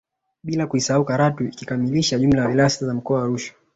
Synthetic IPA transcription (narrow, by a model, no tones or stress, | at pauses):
ɓilakuisahaukaɾatuikikamiliʃaʄumlajavilajasizam̩kɔawaɾuʃḁ